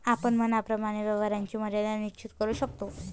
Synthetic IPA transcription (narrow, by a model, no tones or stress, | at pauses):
apəɳmənapɾəmaɽ̃eʋjəʋaɾaɲt͡ɕiːməɾaljanit͡ɕit̪kəɾuːɕək̚t̪o